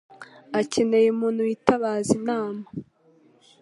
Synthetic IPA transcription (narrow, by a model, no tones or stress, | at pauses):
ace̞ne̞jemuːn̥ujitaβaːzinaːma